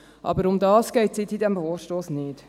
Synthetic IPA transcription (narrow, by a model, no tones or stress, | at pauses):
ʔɑ̰bəɾʊmd̪ɑːskɛɪtsɪtidɛmfoːɾʃtoːsnɪt